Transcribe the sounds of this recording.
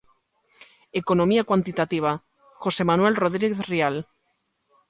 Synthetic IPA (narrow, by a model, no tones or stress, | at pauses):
ekonomiakwant̪it̪at̪iβ̞a | xosemanwelroð̞ɾiɣeθrial